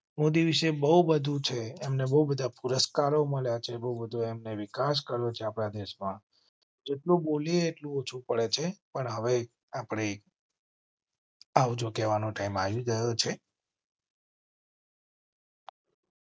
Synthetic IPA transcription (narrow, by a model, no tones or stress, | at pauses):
mod̪iʋiʃebəɦubəd̪ʱũt͡ʃʰeːmnebəɦubəd̪ʱapuɾəskaɾoməɭjat͡ʃʰebəɦubəd̪ʱuemneʋikaʃ̬kəɾjot͡ʃʰeapɽad̪eʃmã | d͡ʒeʈlũbolieːʈlũot͡ʃʰũpəɭet͡ʃʰepəɳɦəʋe | apɽ̃e | aʋd͡ʒokɛʋanoʈaimaʋiɡəjot͡ʃʰe